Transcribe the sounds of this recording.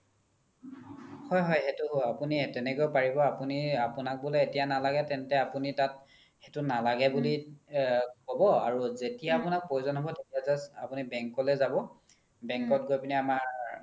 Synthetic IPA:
hɔjɦɔjxetuapunitɛnɛkojpaɹibɔapuniapunak̚bɔleetijanalaɡɛtɛntɛapunitat | xetʊnalaɡɛbuli | kɔbɔaɹuzetijaːpunak̚pojuzɔnɦɔbɔtetijazasapunibɛŋkɔlɛzabɔ | bɛŋkɔt̚ɡojpiniamaɹ

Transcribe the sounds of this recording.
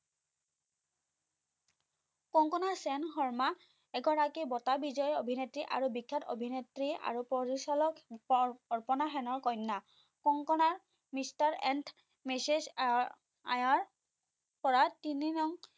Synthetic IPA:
kɔŋkɔnasɛnxɔɹma | ɛɡɔɹakibɔtabizɔjɔobʱinetɹiʔa̰ɹubikʰːatʰo̰bʱinetɹia̰ɹupɔɹisɔlɔk | ɔɹpɔnaxɛnɔɹkɔjnːa | kɔŋkɔnaɹ | mistaɹɛnd | mɛses | a̰jaɹ | pɔɹatininɔŋ

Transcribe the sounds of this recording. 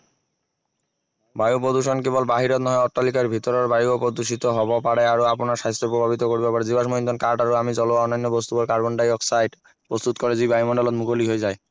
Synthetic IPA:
bajop̬ɾod̪uʃonkebolbaɦiɾot̪nɔɦeɔʈːalikaɾbʱit̪ɔɾɔɾbaiopod̪uʃ̬it̪oɦɔbapaɽeaɾoaponaɾʃais̬t̪ɾopɾobʱabit̪okoɾbbɛpaɾed͡ʑibaʃmoind̪onkaɾɖaɾoamid͡ʑɔloɔnːanːobɔst̪ubaɾkaɾboɳɖajɔksajʈ | pɾost̪ut̪kɔɾed͡ʑibajmɔɳɖolɔt̪mukoliɦoed͡ʑae

